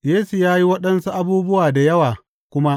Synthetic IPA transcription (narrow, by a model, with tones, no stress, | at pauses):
jeː˦su˨jaː˦ji˦wɐ˦ɗɐ˦nsu˦ʔa˦˨buː˦bʊ˦waː˨da˨jɐ˦waː˨ | kʷʊ˦ma˦ʔ